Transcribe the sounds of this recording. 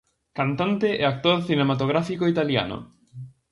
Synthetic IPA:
kant̪ant̪eʔeak̚t̪oɾθinemat̪oɣ̞ɾafikoit̪alja̰no̰

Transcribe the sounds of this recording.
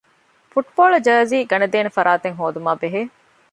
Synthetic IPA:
fuʈboːɭɐd͡ʒaːziːɡɐnɐd̪eːnefɐɾaːt̪eŋɦoːd̪umaːbeɦeː

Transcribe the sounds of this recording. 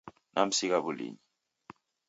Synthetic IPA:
nam̩sik̬aβulḭːɲi

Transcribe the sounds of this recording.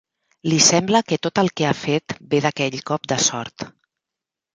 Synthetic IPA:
lisɛmbləkət̪ot̪əlˠkeafet̪beðəkɛʎkɔp̚d̪əsɔɾt̪

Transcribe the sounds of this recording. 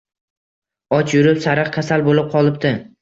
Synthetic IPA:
ɒt͡ʃjʊɾɪpsaɾɨqkʰʲasalbolɪp̚qʰɒlˠɪpt̪ɪ

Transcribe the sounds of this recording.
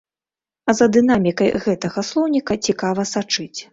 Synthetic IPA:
ɐzɐd̪ɨn̪amʲikɐjɣɛt̪ɐɣɐslˠɔwnʲikɐt͡sʲikavɐsat͡ʂɨt͡sʲ

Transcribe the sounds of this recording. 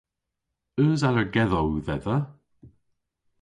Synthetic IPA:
øːzaləɡɛðɔwðɛðə

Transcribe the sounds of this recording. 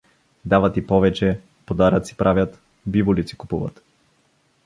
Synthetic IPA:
d̪avat̪ipɔvɛt͡ʃɛ | pod̪aɾat̪si̥pɾʔavʲjat̪ | bivʊlit̪si̥kupuvɐ̰t̪

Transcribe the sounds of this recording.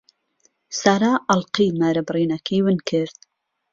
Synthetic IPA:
saːɾaːʔɑlqiːmaːɾɐbriːnɐkʰiːwɨnkʰɨɾd̪̚

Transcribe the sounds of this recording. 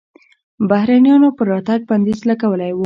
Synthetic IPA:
bahɾɑnjɑnopəɾːɑt̪aɡ̚band̪izlakawəlajwu

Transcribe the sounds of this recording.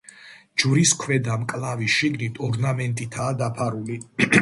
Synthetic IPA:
d͡ʒvɾiskʰwɛd̪amkʼlaviʃiɡnit̪ʰɔɾnamɛnt̪ʼit̪ʰaːd̪apʰaɾuli

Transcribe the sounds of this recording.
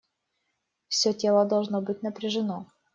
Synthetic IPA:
fsʲɵtʲe̞lˠəd̪ɐlˠʐnobɨt̚ʲnɐpɾʲɪʐɨno

